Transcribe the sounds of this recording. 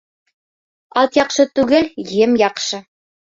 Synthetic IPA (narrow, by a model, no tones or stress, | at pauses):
ɑt̪jɑqʃɤt̪ʉɡɘljɘmjɑqʃɤ